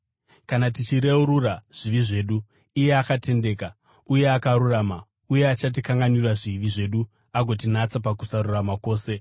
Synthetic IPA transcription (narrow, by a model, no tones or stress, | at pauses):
kanatit͡ʃiɾe̞uɾuraʐ̥iʋiʐe̞ːɗu | ije̞akate̞nde̞ːka | uje̞akaɾuraːma | uje̞at͡ʃat̬ikaŋɡanirwaʐiʋiʐe̞ɗu | aɡʱo̞t̬inat͡sap̬akusaɾuramako̞ːse̞